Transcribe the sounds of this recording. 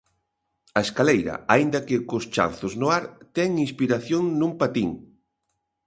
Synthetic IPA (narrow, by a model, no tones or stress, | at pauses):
ɐeskalejɾɐ̰aind̪ɐkɪkost͡ʃa̰nθʊznʊaɾt̪ɛŋinspiɾaθjoŋnũmpat̪iŋ